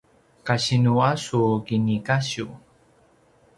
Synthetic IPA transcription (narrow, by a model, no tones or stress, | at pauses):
kaɕinuasukinikaɕu